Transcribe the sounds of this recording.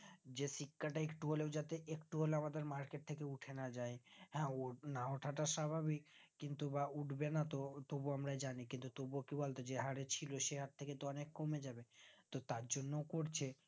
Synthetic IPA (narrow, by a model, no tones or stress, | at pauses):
d͡ʑesikːaʈaekʈuɦolewd͡ʑat̪eʔekʈuɦolamad̪eɾmaɾkeʈ̚t̪ʰekeuʈʰenad͡ʑaehɛ̃onaoʈʰaʈaʃabʱabikːint̪ubauʈʰbenat̪ot̪obuamɾajd͡ʑanikint̪ut̪obuokibolt̪od͡ʑeɦaɾet͡ɕʰiloʃeɦat̪t̪ʰeket̪oɔnekːomed͡ʑabet̪ot̪aɾd͡ʑonːowkoɾt͡ɕʰe